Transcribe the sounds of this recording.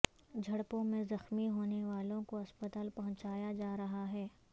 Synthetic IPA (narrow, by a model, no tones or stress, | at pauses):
d͡ʒʱɐɽpõmẽzɐxmiɦoːneʋaːlõkoɐspɐt̪aːlpɐɦʊ̃t͡ʃaːjad͡ʒaːɾɐɦaɦɛː